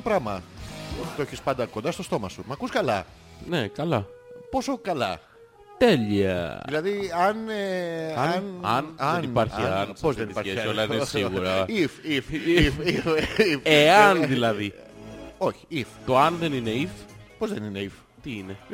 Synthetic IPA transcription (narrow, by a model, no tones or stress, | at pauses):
topɾɐmɐ | t̪oeçispɐnd̪ɐko̞nd̪ɐst̪o̞st̪o̞mɐsumɐkuskɐlɐ | nekɐlɐpo̞so̞kɐlɐ̰ | t̪eliɐ̰ðilɐðiɐneɐnɐnɐnipɐɾçɐnpozðenipɐɾeɐɐnsiɐɣɾɐififfiifeɐnðilɐði | o̞çi̥ift̪oɐnðenineifpo̞zðenine̞if | t̪iine